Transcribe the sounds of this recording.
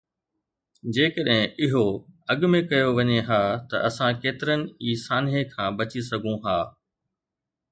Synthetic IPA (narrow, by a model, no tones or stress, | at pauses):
d͡ʑeːkəɗɦɪ̃ʔɪɦoɐɠmẽkɐjoʋɐɲeɦaːt̪ɐ̰ʔɐsãkeːt̪ɪɾənɪ̆iːsaːnɦekʰãːbɐt͡ɕisɐɡʱũɦaː